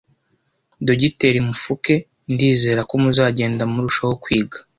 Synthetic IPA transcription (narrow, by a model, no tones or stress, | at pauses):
doɟite̞ɾimufuke̞ | ndiːze̞ːɾako̞muzaːɟe̞ːndamuɾuʃaho̞kwiːɡḁ